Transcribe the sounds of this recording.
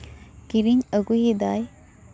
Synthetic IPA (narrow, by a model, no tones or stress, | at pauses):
kiɾiɲəɡuɦid̪aj